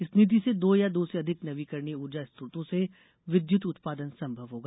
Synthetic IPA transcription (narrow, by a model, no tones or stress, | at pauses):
ɪsnɪt̪̬ised̪oːjad̪oːseɐd̪ʱɪknɐʋikɐɾniʊɾd͡ʒast̪ɾʊt̪õse | ʋɪd̪jʊt̪ʊt̪paːd̪ənsɐ̃mbʱɐʋɦoːɡaː